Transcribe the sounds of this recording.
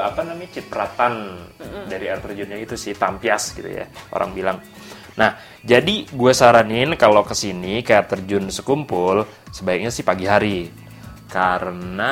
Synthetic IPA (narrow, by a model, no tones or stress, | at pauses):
apanamat͡ʃit̪̚pəɾat̪andaɾiart̪ərd͡ʒʊnɲaɡit̪usɪht̪ampiasɡit̪ṵja̰ʔo̰ɾa̰ŋbilaŋ | nah | d͡ʒadiɡuasaɾanɪnkalokəsinikajat̪ərd͡ʒʊnsəkumpʊl | səbaik̚ɲasɪhpaɡiɦaɾi | kaɾəna